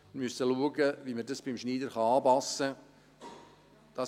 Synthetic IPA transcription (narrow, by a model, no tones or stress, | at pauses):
mysəluəɡəviːmədɑsb̥ɪmʃniːdəɾχɑɑːpɑsə | d̥ɑ